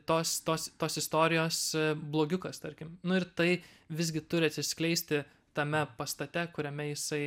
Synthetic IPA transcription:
t̪oːst̪oːst̪oːsɪst̪oːɾʲɪjoːsblˠoːɡʲʊkɐst̪ɐɾʲkʲɪmnʊɪɾt̪ɐɪ | ʋʲɪzʲɡʲɪt̪ʊɾʲɪɐt̪ʲsʲɪsʲklʲɛɪsʲt̪ʲɪ | t̪ɐmʲɛpɐst̪ɐt̪ʲɛkʊɾʲɛmʲɛjɪsɐɪ

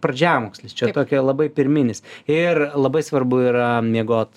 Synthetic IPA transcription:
prɐd͡ʒʲæːmoːksʲlʲɪst͡ʃʲɛt̪oːkʲɛlˠɐbɐɪpʲɪɾʲmʲɪnʲɪsɪrlˠɐbɐɪsʋɐrbʊiːɾɐmʲiɛɡoːt̪

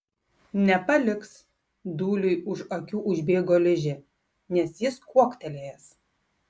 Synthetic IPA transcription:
nʲɛpɐlʲɪks | d̪uːlʲʊɪʊʃokʲuːʔʊʒʲbʲeːɡoːlʲɪʒʲɪ | nʲɛsjɪskuɔkt̪ʲɛlʲeːjɛs

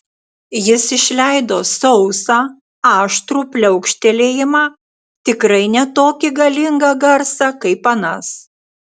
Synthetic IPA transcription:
jɪsɪʃʲlʲæˑɪd̪oːsɒʊsɑː | ɑːʃt̪ɾuːpʲlʲɛʊkʃʲt̪ʲɛlʲeːjɪmɑː | t̪ʲɪkɾɐɪnʲɛt̪oːkʲɪɡɐlʲɪŋɡɐɡɐɾsɐkɐɪpɐnɐs

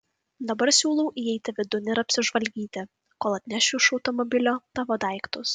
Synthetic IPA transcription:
d̪ɐbɐɾsʲuːlˠɔʊʔiɛɪt̪ʲɪʋʲɪd̪ʊnʲɪɪɾɐpʲsʲɪʒʋɐlʲɡʲiːt̪ʲɪ | koːlˠɐt̪ʲnʲɛʃʲʊɪʃɒʊt̪ɔmɔbʲɪlʲoːt̪ɑːʋoːd̪ɑˑɪkt̪ʊs

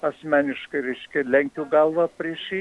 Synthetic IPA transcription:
ɐsʲmʲæːnʲɪʃkɐɪɾʲɛɪʃʲkʲɛlʲɛŋʲkʲuɡɐlˠʋɑpʲrʲiɛʃʲi

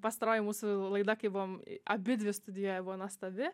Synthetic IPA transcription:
pɐst̪ɐɾoːjɪmuːsʊlˠɐɪd̪ɐkɐɪbʊʋoːmɐbʲɪd̪ʲʋʲɪst̪ʊd̪ʲɪjuɔjɛbʊʋɔnoɔst̪ɐʋʲɪ

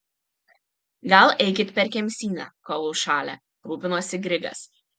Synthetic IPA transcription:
ɡɐlˠʔɛɪkʲɪt̪pʲɛɾʲkʲɛmʲsʲiːnʲɑ̰ːkoːlˠuːʃɑːlʲɛ̰ | ɾuːpʲɪnoːsʲɪɡɾʲɪɡɐ̰s

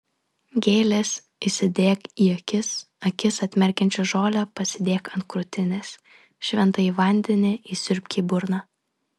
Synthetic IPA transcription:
ɡʲeːlʲes | isʲɪd̪ʲeːkiːɐkʲɪs | ɐkʲɪsɐt̪ʲmʲɛɾʲkʲɛnʲt͡ʃʲʊʒoːlʲɛpɐsʲɪd̪ʲeːkɐnt̪̚kɾʊt̪ʲɪnʲes | ʃʲʋʲɛnt̪ɐiʋɐˑnʲd̪ʲɛnʲɪʔiːsʲʊɾʲpʲkʲiːbʊɾnɑ

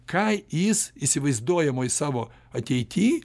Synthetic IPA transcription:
kʰɐɪjɪsisʲɪʋɐɪzd̪uɔjɛmoːisɑːʋoː | ɐt̪ʲɛɪt̪ʲiː

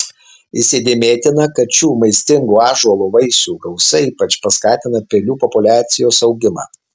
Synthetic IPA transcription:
isʲed̪ʲeːmʲeːt̪ʲɪnɐkɐt̪t͡ʃʲuːmɐɪsʲt̪ʲɪŋɡuːɑːʒuɔlˠuːʋɐɪsʲuːɡɐʊsɐiːpɐt͡ʃpɐskɑːt̪ʲɪnɐpʲelʲuːpɔpʊlʲæːt̪sʲɪjoːsɐʊɡʲɪmɑ̰ː

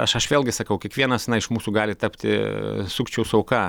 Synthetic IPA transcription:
ɐʃɐʃʋʲeːlˠʲɡʲɪsɐkɐʊkʲiɛkʋʲiɛnɐsnɐɪɪʃmuːsuːɡɑːlʲɪt̪ɐpʲt̪ʲɪ̰sʊkt͡ʃʲɛʊsɐʊkɑː

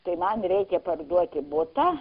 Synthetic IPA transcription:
t̪ɐɪmɐnɾʲɛɪkʲɛpɐrd̪uɔt̪ʲɪbʊt̪a

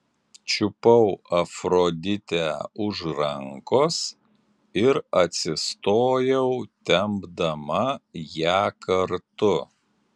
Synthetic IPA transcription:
t͡ʃʲʊpɐʊɐfɾoːd̪ʲɪt̪ʲæːʊʒɾɐŋkoːs | ɪɾɐt̪ʲsʲɪst̪oːjɛʊt̪ʲɛmbd̪ɐmɐjæːkɐɾt̪ʊ

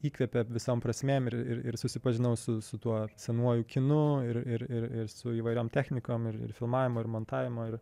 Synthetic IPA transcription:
iːkʋʲɛpʲɛʋʲɪsoːmpɾɐsʲmʲeːmɪɾɪ̰ɾɪ̰ɾsʊsʲɪpɐʒʲɪnɐʊsʊsʊt̪uɔsʲɛnuɔjuːkʲɪnʊɪɾɪɾɪɾɪɾsʊiːʋɐɪɾʲoːmt̪ʲæːxʲnʲɪkoːmɪɾɪ̰ɾfʲɪlˠmɑːʋʲɪmoːɪɾmoːnt̪ɑːʋʲɪmoːɪɾ

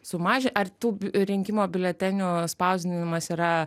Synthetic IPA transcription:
sʊmɑːʒʲɪnʔɐrt̪uːɾʲɪŋʲkʲɪmoːbʲɪlʲɛt̪ʲɛnʲuspɐʊzʲd̪ʲɪnʲɪmɐsiːɾɐ

